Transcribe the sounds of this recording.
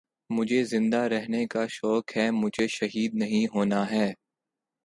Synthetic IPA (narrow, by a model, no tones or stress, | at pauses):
mʊd͡ʒʱezɪ̃nd̪aɾɛɦnekaʃɔːkɦɛːmʊd͡ʒʱeʃɐɦiːd̪̚nɐɦĩɦoːnaɦɛː